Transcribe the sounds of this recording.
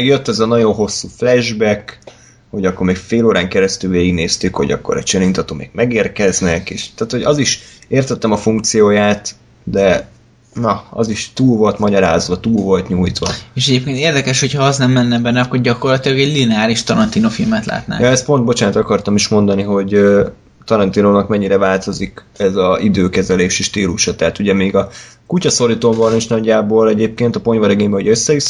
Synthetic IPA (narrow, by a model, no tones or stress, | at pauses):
ɛɡjøt̪ːɛzɛnɒɟo̞nɦo̞sːuːflɛʒbɛk | ho̞ɟɒkːo̞rmeːkfeːloːɾaːŋkɛɾɛst̪ylveːiɡneːst̪ykho̞̰ɟɒ̰kːoɾɛ̰t͡ʃɛlint̪ɒt̪o̰ːmḛːɡmɛɡeːrkɛznɛkeːʃt̪aːt̪ho̞ɟɒziʃeːrt̪ɛt̪ːɛmɒfuŋk̚t̪sijoːjaːt̪ | d̪ɛ | nɒɒ̰ziʃt̪uːlvo̞lt̪mɒɟɒɾa̰ːzʋɒt̪uːlvo̞lt̪ɲuːjt̪ʋɒeʃɛɟeːpkeːnt̪eːrd̪ɛkɛʃho̞chɒɒznɛmːɛnːɛbɛnːɛɒkːorɟɒko̞rlɒt̪ilɒɡɛɟlinɛaːɾiʃt̪ɒɾɒnt̪inofilmɛt̪la̰ːt̪na̰ːŋjɒɛst̪̚po̞nd̪̚bo̞t͡ʃaːnt̪ɒkɒrt̪ɒmiʃmo̞nd̪ɒniɦo̞ɟø | t̪ɒɾɒnt̪inoːnɒkmɛɲːiɾɛvaːlt̪o̞zik | ɛzɒid̪øːkɛzɛleːʃiʃt̪iːluʃɒt̪ɛɦat̪uɟɛmeːɡɒkucɒso̞ɾit̪oːmbɒneːʃnɒɟːaːboːlɛɟeːp̚keːnt̪ɒpo̞ɲvɒɾɛɡeːɲbɛɦoɟøsːɛʋi